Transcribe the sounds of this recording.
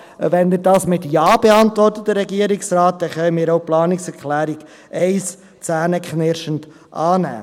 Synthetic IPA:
ʋɛndədɑːsmɪtjɑːb̥eɑntʋɔrtət̚dəɾɛɡiːəɾɪksɾɑːt̚dɛχœʏəmɪːɾoʊplɑːnɪksɛɾkʰlæːɾiɡ̥ | ʔɛɪs | t͡sæːnəkχnɪɾʃənt | ʔɑːnæ̰ː

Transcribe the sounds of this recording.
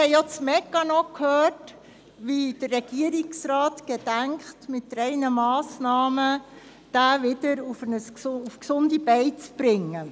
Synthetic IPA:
hɛɪjot͡smɛkːɑnɔkʰhøːrt | ʋid̥ərːɛɡ̥iəɾɪksɾɑːtɡ̥ed̥æŋkχtmɪtɾɛɪnəmɑːsnɑːmə | d̥æːʋɪdəɾufənəsufksʊndibɛɪt͡sb̥ɾɪŋːə

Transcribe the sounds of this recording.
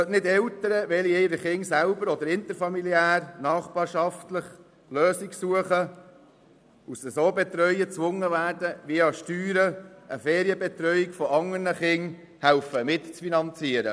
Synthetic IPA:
sœtnɪd̪ɛlt̪əɾəʋɛlieɪɾəχɪŋsælbəɾɔd̪əɾɪnt̪əfɑmiliæːrnɑːχb̥ɑːɾʃɑftləχ | løːsiksuəχə | usəsoːbɛt̪ɾœʏət͡sʋʊŋːəvæːɾdəʋiəɑʃtyːɾəʔəfɛːɾiəbɛt̪ɾœʏjikfɔɑŋərnəχɪŋ | hælfəmɪt̪t͡sfinɑnt͡siəɾə̰

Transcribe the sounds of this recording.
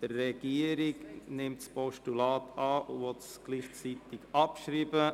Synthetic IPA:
d̥ərːɛɡ̥iːəɾɪɡnɪmtspɔʃtulɑːtɑːvɔtsɡ̥liːχt͡sitɪɡɑpʃɾiːbə

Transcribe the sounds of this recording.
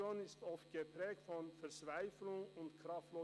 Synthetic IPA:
oːnɪst̪ɔft̪̚ɡ̥əpɾɛːk̚tfɔnfɛʁt͡svæɪfl̩ʊŋʊntkʰɾɑft̪loː

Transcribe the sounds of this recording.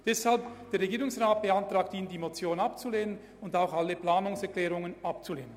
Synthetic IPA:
d̥ɛshalp̚d̥eːɐɾʁeɡiːɾʊŋsʁaːt̚b̥eantraːk̚tiːnəndiːmot͡sjoːnapt͡suleːnən | ʊndaʊxaləplaːnʊŋsɛɐkl̥ɛːʁʊŋənʔapt͡suleːnən

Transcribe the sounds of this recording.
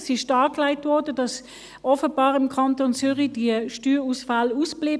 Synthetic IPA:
sɪʃdɑːklaɪtvɔʁdədɑs | ɔfəbɑːʁɪmkʰɑntont͡syːʁid̥iəʃtyːʁuːsfalusb̥liː

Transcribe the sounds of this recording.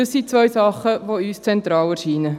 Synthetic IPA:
əsit͡sʋœjsɑχəʋoyːst͡sɛnt̪ɾɑːlɛɾʃiːnə

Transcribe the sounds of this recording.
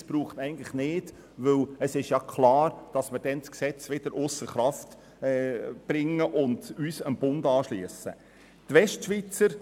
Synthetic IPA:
sb̥ɾuːχtɛɪɡən̩tlɪχnɪːd̥ | ʋɵləsɪʃjɑkʰlɑːɾd̥ɑsmɪɾd̥ɛnsksɛt͡sʋɪd̥əɾʔʊsəɾχɾɑft | ɛːb̥ɾɪŋːəʔʊndyːsənb̥ʊndɑːʃliəsə̰ | tʋɛʃtʃʋit͡səɾ

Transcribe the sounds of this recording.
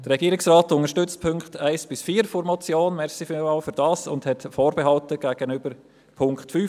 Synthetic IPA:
d̥əɾɛɡiːɾɪksʁɑːtʊnŋəʃtʏt͡stpʰʏŋkχtʰaɪsb̥ɪsfiːɾfɔɾmɔt͡sjoːnmɛʁsifɪaʊfyɾd̥ɑːsʊ̰ndhɛtfoːɾbɛɦɑltəɡ̥æːɡ̥ənʏbəɾ | pʰʊŋkχtfy

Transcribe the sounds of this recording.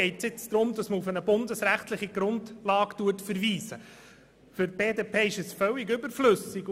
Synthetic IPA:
ɛɪtsɪt͡sd̪ɾʊmdɑsməufənəbʊndəsɾæχtlɪχiɡ̥ɾʊndlɑːktuətfəɾviːsə | fʏɾb̥eːdeːpʰeːɪʃəsfœlːɪɡʏbəɾflɵsɪ

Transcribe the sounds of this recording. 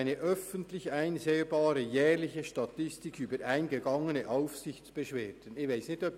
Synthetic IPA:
ɪnəʔœfəntlɪçaɪnzeːbɑːɾəjɛːʁlɪçəʃtɑtɪstɪkyːbəɾʔaɪnɡəɡɑŋənəʔaʊfsɪçt͡sb̥əʃveːd̥ənɪvaɪsnɪçtœp

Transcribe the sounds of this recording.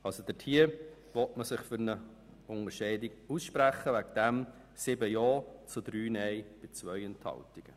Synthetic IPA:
ɑlsod̥̪ətʰiəɾ | ʋɔtməsɪχfʏɾnə | ʊŋəɾʃɛɪdɪɡusʃpɾæχːəʋækd̪̥æm | sɪbəjɔːt͡sʊd̪ɾyːnɛɪb̥ɪt͡sʋœʏənt̪hɑ̰ltiɡ̥ə

